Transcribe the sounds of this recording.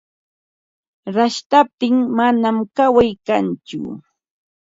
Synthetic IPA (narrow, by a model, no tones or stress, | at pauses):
ɾaʃt̪ap̚t̪ɪŋmanamkawajkant͡ʃʊ̰